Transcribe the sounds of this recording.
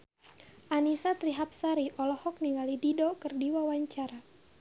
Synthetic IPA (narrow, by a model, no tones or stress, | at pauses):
ʔanisat̪ɾiɦap̚saɾiʔɔlɔhɔk̚niŋɡalididokərdiwawaɲt͡ʃaɾa